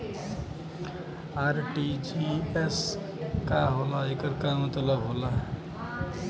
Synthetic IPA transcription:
aɾʈid͡ʒies | kaɦolaekəɾkamət̪ləbɦola

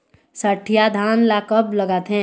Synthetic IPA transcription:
səʈʰijad̪ʱaːnlakəbləɡaːt̪ɦɛ̃

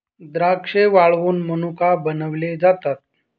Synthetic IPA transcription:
d̪ɾakʂeʋaɭʋuːnmənukabənəʋled͡zat̪at̪̚

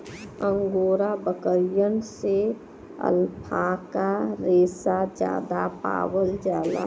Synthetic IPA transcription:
ə̃ŋɡoːɾabəkəɾjənse | ə̰lpʰaːkaɾeːsad͡ʒja̰ːd̪apa̰ːwəld͡ʒaːla̰

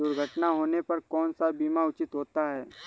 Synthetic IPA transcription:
d̪ʊɾɡʱəʈnaɦoːnepɐɾkɔːnsabiːmaʊt͡ʃɪt̪ɦoːt̪aɦɛː

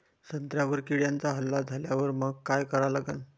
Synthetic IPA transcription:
sənt̪ɾjaʋəɾkiɽjant͡saɦəlːad͡zʱaljaʋəɾməɡ̚kajkəɾalaɡən

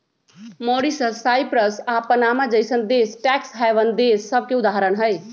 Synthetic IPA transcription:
moɽisəsːajpɾəsapənamad͡ʒəjsənd̪esʈɛksɦajʋənd̪esːəb̚ʱkeud̪aɦəɾənɦəj

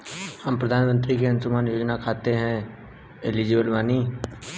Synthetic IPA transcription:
həmpɾəd̪ʱaːnmə̃nt̪ɾikeɐ̃nsʊmaːnjoːd͡ʒnakʰaːt̪eɦɛ̃ | ɪlid͡ʒeːbəlʋaːniː

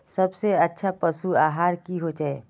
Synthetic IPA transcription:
sɐbseɐtːʃʰapɐsuaːɦaːɾkiɦod͡ʒae

